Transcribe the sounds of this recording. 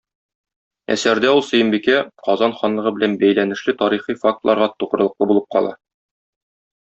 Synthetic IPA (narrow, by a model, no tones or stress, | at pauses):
æ̰sæɾd̪æulˠsɵ̆jɤ̆mbikæqɒzɑnχɒnlˠɤ̆ʁɤbɘ̆lænbæjlænɘ̆ʃlɘt̪ɒɾiχifak̚t̪lˠɑɾʁɑt̪uʁɤ̆ɾɤ̆lˠɤ̆qlɤbulˠɤp̚qɒ̰lˠɑ̰